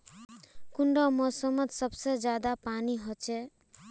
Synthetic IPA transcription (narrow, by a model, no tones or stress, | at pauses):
kuɳɖʌmʌsʌmʌt̪sʌbsʌd͡ʒjad̪apaniɦot͡ʃʰe